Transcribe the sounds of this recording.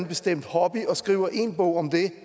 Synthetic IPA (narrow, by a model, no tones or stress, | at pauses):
nb̥esd̥em̰d̥hɒb̥iɒ̽sɡ̥ʁiːʊɐʔe̝nbɔʊɒ̽md̥̪e